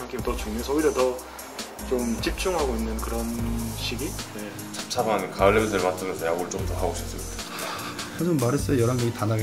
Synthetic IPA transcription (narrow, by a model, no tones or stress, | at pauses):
aŋɡʰetʌt͡ɕuŋmʌsʰʌʌiɾjʌtʌ | t͡ɕomt͡ɕip̚t͡ɕ͈uŋɦaɡoinːɯnkɯɾʌnɕʰiɡine | t͡ɕʰap̚t͡ɕʰabankaɯɭːemsʰeɾemat͡ɕ͈ʰɯmjʌnsʰʌjaɡɯɭt͡ɕ͈omtʌɦaɡoɕʰip̚s͈ɯmitʰa | ad͡ʑomːaɾes͈ʌjʌɾaŋɲʌŋitanaɡe